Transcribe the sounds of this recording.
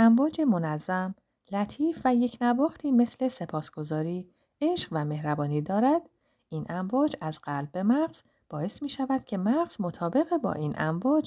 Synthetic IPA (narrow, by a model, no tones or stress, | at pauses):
æɱvɒːd͡ʒe̞mo̞næzːæm | læt̪ʰiːfvæje̞cʰnævɒːxt̪ʰiːme̞sle̞se̞pʰɒːsɡ̥o̞zɒːɾiː | e̞ʃɢvæme̞hɾæbɒːniːd̪ɒːɾæd̪̥ | ʔiːnʔæɱvɒːd͡ʒæzɢælb̚ːe̞mæɢz̥ | b̥ɒːe̞smiːʃævæd̪̥cʰe̞mæʁz̥mo̞t̪ʰɒːbe̞ɣebɒ̰ːʔiːnʔæ̰ɱvɒːd͡ʒ